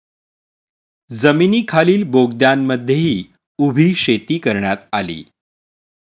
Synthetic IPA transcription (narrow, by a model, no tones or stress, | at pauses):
d͡zəminiːkʰaliːlboɡd̪janməd̪ʱːjeɦiː | ubʱiːɕet̪iːkəɾɳjat̪alḭː